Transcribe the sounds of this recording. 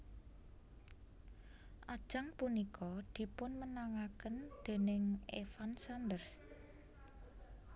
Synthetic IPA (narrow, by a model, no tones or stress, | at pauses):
ʔad̥ʒ̥a̤ŋpunikʰɔd̪̥i̤pʊnmənaŋakənd̪̥e̤nɪŋʔḛfansand̪ərs